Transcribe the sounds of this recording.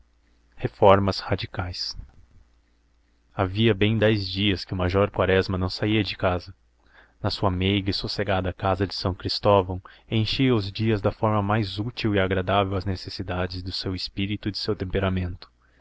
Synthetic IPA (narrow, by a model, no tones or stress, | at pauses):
hefɔɾmɐshad͡ʒikajs | aviɐbẽj̃d̪ɛjzd͡ʒiɐskɪʊmaʒɔɾkwaɾɛzmɐnɐ̃w̃saiɐd͡ʒɪkazɐ | nɐsuɐmejɡɐɪsuseɡad̪ɐkazɐd͡ʒɪ̥sɐ̃w̃kɾist̪ɔvɐ̃w̃ẽj̃ʃiɐʊzd͡ʒiɐzd̪ɐfɔɾmɐmajzut͡ʃiwɪaɡɾad̪avewɐznesesid̪ad͡ʒɪzd̪ʊsewɪspiɾit̪ʊd͡ʒ̪ɪsewt̪ẽmpeɾamẽnt̪ʊ̥